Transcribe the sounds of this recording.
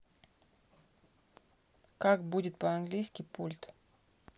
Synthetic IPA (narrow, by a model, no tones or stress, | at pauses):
kakbudʲɪt̪̚pəanɡlʲijskʲijpulʲt̪